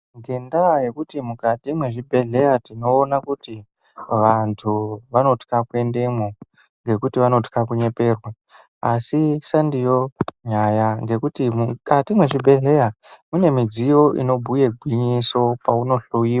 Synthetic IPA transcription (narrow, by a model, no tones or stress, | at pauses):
ŋɡe̞ndaje̞kutimukatimwe̞ʐibʱe̞ɮe̞jatino̞ːnakuti | ʋantʰuʋano̞ti̥kakwe̞nde̞mo | ŋɡe̞kutiʋano̞ti̥kakuɲe̞pe̞ːrwa | asisandijo̞ɲajaŋɡe̞kutimukatimwe̞ʐibʱe̞ɮe̞ja | mune̞mid͡zijo̞ʔḭno̞bʱuje̞ɡʱwiɲiso̞pauno̞ɬojiːwa